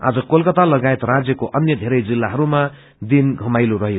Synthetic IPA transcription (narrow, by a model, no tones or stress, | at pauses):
a̰d͡zʌkolkʌt̪alʌɡaet̪rad͡zjʌkoʔʌnjʌd̪ʱeɾʌjd͡zilːaɦʌɾuma | d̪inɡʱʌmajlorʌɦjo